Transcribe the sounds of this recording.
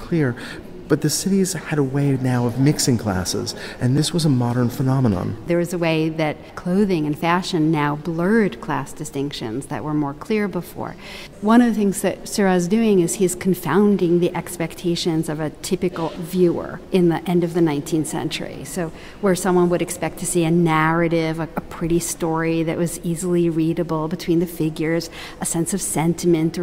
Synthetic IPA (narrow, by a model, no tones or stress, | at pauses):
kʰl̥ɪɹ | b̥ʌt̪̚ðɨsɪɾiz̥ɨɾəweɪnaʊʌvmɪksɪ̃ŋkʰl̥æ̰sɪ̰zʔɨ̃nðɪswʌzəmɑɾə̃˞nfənɑmənə̰̃nðə˞ɨzɨweɪðɨt̚kʰl̥oʊðɪ̃ŋɨ̃nfæʃɨ̃nːaʊblɜ˞d̚kʰl̥æ̰sd̥ɨstɪ̃ŋkʃɨ̰̃nzðɨ̰ʔ̚wə˞mɔɹkʰl̥ɪɹbəfɔ̰ɹ | wʌ̃ñʌvðɨθɪ̃ŋzðɨ̰t̚sɜ˞zdʉɪ̃ŋɨz̥iɨz̥kʰɱfã̰ʊ̃ndɪ̃ŋðiʔɛkspɛk̚tʰeɪʃɨ̃nzʌvɨtʰɪpɨkl̩ˠvjʉə̰˞ʔɨ̃nðiʔɛ̃ndʌvðɨnãɪ̃ntʰĩnθsɛ̰̃nt͡ʃə̰˞ḭsoʊ | wə˞sʌ̃mwʌ̃nwɨɾɨkspɛk̚tʰɨsiɨnæɹɨɾɪvəəpʰɹ̥ɪɾistɔɹiðɨ̰ʔ̚wʌzizl̩ˠiɹiɾɨbl̩ˠbɨtʰw̥ĩnðɨfɪɡjə˞z̥ | ʔəsɛ̃nsʌv̥sɛ̃ntʰɨmɨ̃ntə